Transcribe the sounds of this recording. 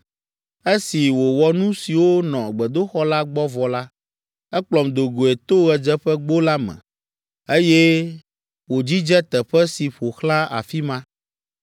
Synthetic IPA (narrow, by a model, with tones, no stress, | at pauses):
e˦si˨wo˨wɔ˨nũ˦si˨wo˦nɔ̃˨ɡ͡bɛ˨d̪o˦xɔ˦la˦ɡ͡bɔ˦vɔ˨la˦ | ɛ˦k͡plɔ˨md̪o˨ɡo˨e˨t̪o˦ɣɛ˨d͡ʒɛ˦ɸɛ˦ɡ͡bo˦la˦mɛ̰̃˨ | e˦jɛ˦ | wo˨d͡ʑi˦d͡ʒɛ˦t̪ɛ˨ɸɛ˦si˨ɸo˨xlã˦a̰˨fi˦mã˦